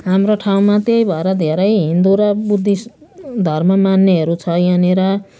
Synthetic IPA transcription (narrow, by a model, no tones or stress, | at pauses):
ɦamroʈʰaw̃mat̪ejbʱʌɾʌd̪ʱeɾʌjɦind̪uɾʌbud̪ʱːisd̪ʱʌrmʌmanːeɦeɾut͡sʰʌjaneɾʌ